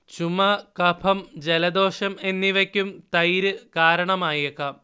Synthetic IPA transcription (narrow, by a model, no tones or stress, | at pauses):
t͡ɕumɐkɐpʰɐmd͡ʑelɐd̪o̞ːʂɐme̞nːiʋɐkʲːumt̪ɐjɾɨkaːɾɐɳɐmaːjekːɐ